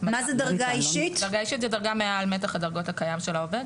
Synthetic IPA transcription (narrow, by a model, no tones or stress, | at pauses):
mamazɛd̪ɐʁɡaiʃit̪dɐʁɡaiʃitzɛdaʁɡamealmetaχadɐʁɡo̞thakajamʃelaoved